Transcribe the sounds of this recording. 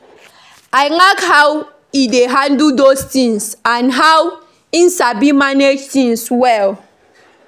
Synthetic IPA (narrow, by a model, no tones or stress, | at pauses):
ajlakhaw | ideɦãndudostĩŋsãnɦaw | in̩sabimaned͡ʒtĩŋswɛl